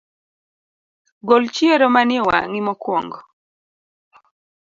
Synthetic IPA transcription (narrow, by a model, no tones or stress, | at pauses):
ɡolt͡ʃieɾɔmanjewa̰ŋimɔkwɔŋɡɔ